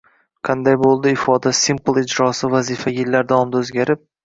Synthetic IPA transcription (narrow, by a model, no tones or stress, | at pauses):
qʰɑnd̪ajbolˠd̪ɪɪfɒd̪asimplˠɪd͡ʒɾɒsɪvazɪfajɪlːaɾd̪awɒmd̪aɵzɡʲaɾɪp̚